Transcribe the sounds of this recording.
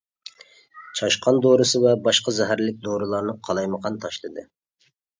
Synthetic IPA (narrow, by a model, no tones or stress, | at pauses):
t͡ʃʰɑʃqʰɑnd̪oɾɨsɨwɛbɑʃqɑzɛɦæɾlɪk̚ʲd̪oɾɨlˠɑɾnɨqʰɑlˠɑjməqʰɑnt̪ʰɑʃlˠɨd̪ɨ